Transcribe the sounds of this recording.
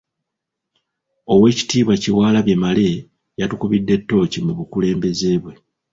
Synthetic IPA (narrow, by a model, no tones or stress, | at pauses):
o̞we̞ːci̥tiːβwaciwaːlaβje̞male̞ | jatukuβidːe̞tːo̞ːcimuβukule̞ːmbe̞ze̞ːβwe̞